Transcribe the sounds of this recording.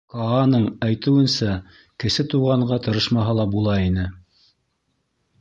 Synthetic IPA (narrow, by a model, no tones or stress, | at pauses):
kɑːnɤɴæjt̪ɘ̆wɘ̆nsæ | kɘ̆sɘt̪uʁɑɴɢɑt̪ɤ̆ɾɤʃmɑɦɑlˠɑbulˠɑinɘ